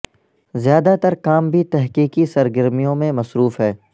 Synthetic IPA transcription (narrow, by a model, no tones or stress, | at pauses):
zjaːd̪at̪ɐɾkaːmbʱit̪ɛɦkiːkisɐɾɡəɾmijõmẽmɐsɾuːfɦɛː